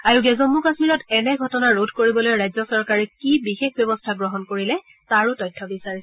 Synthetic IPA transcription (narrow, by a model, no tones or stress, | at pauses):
aɹuɡɛzɔmːukasmiɹɔtɛnɛɡʱɔtɔnaɹodʱkoɹibɔlojɹajzɔsɔɹkaɹɛkibixexbjɔbɔstʰaɡɹɔɦɔnkoɹilɛ | taɹʊtɔjtʰːɔbisaɹisɛ